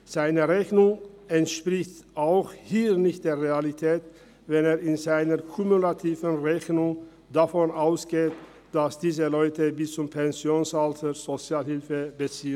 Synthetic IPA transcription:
z̥aɪnəʁɛçnʊŋɛntʃpʁ̥ɪçtʔaʊxhiːnɪçt̚d̥eːɐʁealitʰɛːt | vɛneːɐɪnzaɪnɐʁkʰʊmulatʰiːvənʁɛçnʊŋ | d̥afɔnʔaʊsɡ̥eːt | d̥asd̥iːzəlɔʏtəbɪst͡sʊmpʰɛnzjoːnsaltʰəz̥ot͡sjaːlhɪlfəbət͡siːə

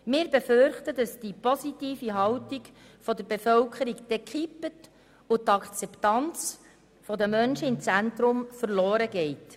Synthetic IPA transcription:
mɪːɾbefʏrχtədɑsd̥ipɔsitiːfiɦɑwtiɡ | fɔd̪əɾbefœwkʰəɾikd̥ɛkʰχipːət | ʊt̪ɑkt͡sɛptɑnt͡s | fɔdəmœnʃəɪmt͡sæntɾʊmfəɾloːɾəɡɛɪt

